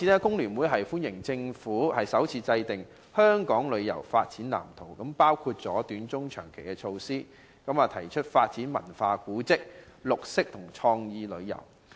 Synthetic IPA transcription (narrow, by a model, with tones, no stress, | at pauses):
i˨˧nɛː˥kʊ˥ŋlyː˨˩nwuː˨˥jɦɐ˨jfuː˥njɪ˨˩ŋt͡sɪ˧ŋfuː˨˥hɐ˨jsɐ˨˥wt͡sʰiː˨˧t͡sɐ˧jt̪ɪ˨ŋ | hœː˥ŋkɔː˨˥ŋlɵ˨˧ɥjɐ̰˨˩wfaː˧t̚t͡siː˨˥nla̰ː˨˩mt̪ʰo˨˩wkɐ˨˥mpaː˥wkʰuː˧t̚t͡sɔː˨˥t̪yː˨˥nt͡sʊ˥ŋt͡ʃʰœː˨˩ŋkʰe˨˩jkɛː˧t͡ʃʰo˧wsiː˥ | kɐ˨˥maː˨˧t̪ʰɐ˨˩jt͡ʃʰɵ˥t̚faː˧t̚t͡siː˨˥nmɐ̰˨˩nfaː˧kuː˨˥t͡sɪ˥k̚lʊ˨k̚sɪ˥k̚t̪ʰʊ˨˩ŋt͡ʃʰɔː˧ŋjiː˧lɵ˨˧ɥjɐ̰˨˩w